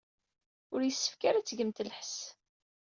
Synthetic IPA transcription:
ʊɾjəsːə̥fkaɾæt͡sːɡəmt̪ləħs

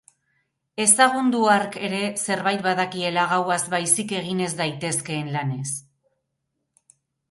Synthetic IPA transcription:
e̞saɣ̞und̪uaɾke̞ɾe̞se̞ɾβajt̪̚baðakie̞laɣawazβajsike̞ɣ̞ine̞zd̪ajt̪e̞ske̞ːnlane̞s

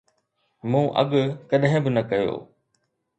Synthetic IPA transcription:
mũːʔɐ̰ɠkɐɗɦɪ̃bɪnɐkɐjo̰ː

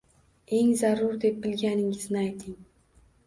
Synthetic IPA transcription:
e̞ŋzaɾʊɾd̪e̞p̚bɪlɡʲanɪŋɪznɪajt̪ʰɪŋ

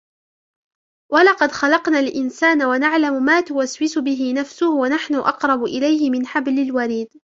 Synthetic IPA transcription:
walɑqɑd̪xɑlɑqnaːlʔɪnsaːnawanaʕlamʊmaːt̪ʊwaswɪsʊbɪɦɪnafsʊhʊwanaħnʊʔɑqɾˤɑbʊʔɪlajhɪmɪnħablɪlwaɾiːd̪

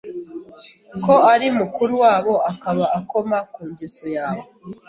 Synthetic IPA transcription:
ko̞aɾimukuɾuwaːβo̞akaβaːko̞makuːɲɟeso̞jaːβo

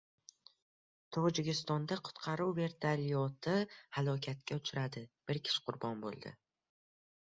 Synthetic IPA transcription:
t̪ʰɒd͡ʒɪkʲɪst̪ɒnd̪aqʰʊ̥t̪qʰɑɾuwve̞ɾt̪ʰaɾijɒt̪ʰɪhalˠɒkʲʰat̪̚kʲaʊt͡ʃʰɪɾad̪ɪb̥ɪɾkʲʰɪ̥ʃɪ̥qʰʊɾbɒnbo̰lˠd̪ɪ̰

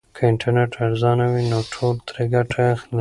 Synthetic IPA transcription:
kʰəɪɳʈʰaɾneʈʰaɾzɑnawinoʈʰolt̪ɾeɡaʈʰaaxni

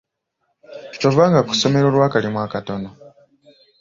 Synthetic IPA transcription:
tovaːŋɡaku̥so̞meɾolwaːkalimwaːkato̞na

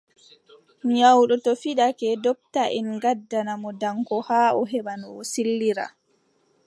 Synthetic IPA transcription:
mɲawɗɔtɔfiɗakɛdɔp̚taʔɛnɡadːanamɔdaŋkɔhaːɔɦɛɓanɔɔsilːiɾa̰

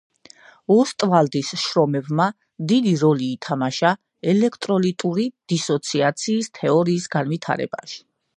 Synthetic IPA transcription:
ɔst̪ʼvald̪isʃɾɔmɛbma | d̪id̪iɾɔliːt̪ʰamaʃa | ɛlɛkʰt̪ʼɾɔlit̪ʼuɾid̪̥isɔt̪sʰiat̪sʰiːst̪ʰɛɔɾiːsɡanvit̪ʰa̰ɾɛ̰ba̰ʃi̥

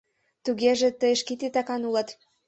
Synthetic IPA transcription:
t̪uɣeʒĕt̪əjəʃkit̪et̪ɑkɑnulɤ̆t̪

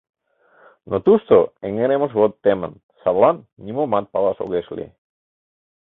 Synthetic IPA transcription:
not̪ust̪oeŋeɾemozβot̪ːemã̰n | saβlannimomat̪̚palaso̰ɣeslḭ

